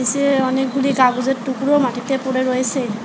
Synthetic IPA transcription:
isiɔnɛk̚ɡuliɡaɡuzɛtːukuɹɔmatitɛpʊɹɛɹojse

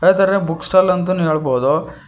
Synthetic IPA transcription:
ɐat̪aːɾebukːsʈaːlɐnt̪̬ɐneːɭboːd̪o

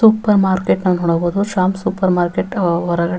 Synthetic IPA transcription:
upɐɾmaːɾkeʈnɐnːɦoːɽɐboːd̪uʃaːmsuːpɐɾmaːɾkeʈʋɐɾɐɡɐɽ

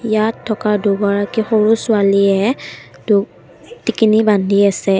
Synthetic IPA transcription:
jatʰːɔkaduɡaɹakixoɹusʊaliɛdu | tikinibandʱiasɛ

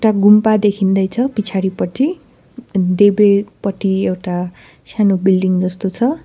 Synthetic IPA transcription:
ʈaɡumpad̪ekʰind̪ʌjt͡sʰʌpit͡sʰaɾipʌt͡sʰi | d̪ebɾepʌʈiewʈa | sanobilɖiŋd͡zʌst̪ot͡sʰʌ

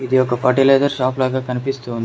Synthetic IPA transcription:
id̪iɔkɐpʰɐʈileːd̪ɐɾʃaːplaːɡaːkɐnipist̪uːnd̪ii

